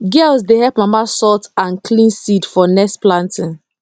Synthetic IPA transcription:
ɡɛlzdehɛpmamasɔtãnklĩnsidfɔnɛsplãntɪ̃n

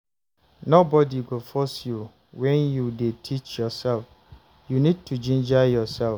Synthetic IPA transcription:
nobɔdiɡofɔsju | wɛ̃njudetʰit͡ʃjɔsɛlf | junid̚tʰud͡ʒĩnd͡ʒajɔsɛl

